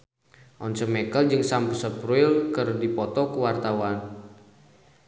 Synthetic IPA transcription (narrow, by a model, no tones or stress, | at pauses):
ʔɔnsəmɛkəld͡ʒɨŋsampusəpɾuɪlkɨrdipɔt̪ɔkuwart̪awan